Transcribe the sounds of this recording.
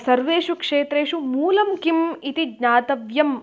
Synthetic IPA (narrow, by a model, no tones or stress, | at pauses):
sɐɾʋeːʂukʂeːt̪ɾeːʂumuːlɐmkimit̪iɡɲaːt̪ɐʋjɐm